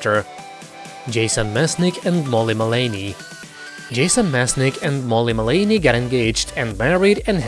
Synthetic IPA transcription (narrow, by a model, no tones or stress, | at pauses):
tə˞ | d͡ʒeɪsɨ̃nmɛsnɪkɨ̃nmɔlˠiməlẽɪni̥ | d͡ʒeɪsɨ̃nmæsnɪkɨ̃nmɔlˠiməlẽɪniɡɛɾɨ̃nɡeɪd͡ʒdɨ̃nmɛɹiɾɨ̃n